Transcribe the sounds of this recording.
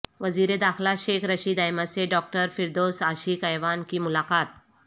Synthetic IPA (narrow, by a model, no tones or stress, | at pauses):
ʋəziːɾed̪axlaɕekʰɾəɕiːd̪ajmat͡seɖɔk̚ʈəɾfiɾd̪osaːɕiːkajʋankiːmulaqaːt̪̚